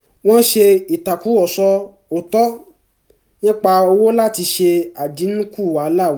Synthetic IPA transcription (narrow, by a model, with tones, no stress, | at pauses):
w̃ɔ̃˦ʃe˧i˨ta˨ku˨˦ɔ˨sɔ˧ | o˨tɔ˨˦ | nĩ˦k͡pa˧o˧wo˦la˦˨ti˧ʃe˧a˨di˨˦nũ˦ku˦˨wa˨˦la˦˨˦